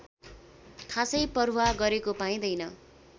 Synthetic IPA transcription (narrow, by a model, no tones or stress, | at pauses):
kʰasʌjpʌruwaɡʌɾekopaĩd̪ʌjnʌ